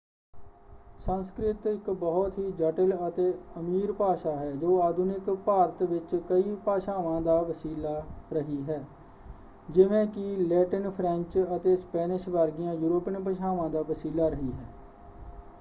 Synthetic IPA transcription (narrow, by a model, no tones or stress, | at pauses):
sənskɾɪt̪ɪkbɔːɔt̪ɦiːd͡ʒəʈələt̪eːəmiːɾpaːʃaːɦɛːd͡ʒoːaːd̪ʱʊnɪkpaːɾət̪ʋɪt͡ʃkəiːpaːʃaːʋãːd̪aːʋəsiːlaːɾəɦiːɦɛː | d͡ʒɪʋẽːkɪlɛːʈənpʰɾɛ̃ɲt͡ʃət̪eːspɛːnɪʃʋaːɾɡɪjãːjuːɾoːpənpəʃʰaːʋãːd̪aːʋəsiːlaːɾəɦiːɦɛː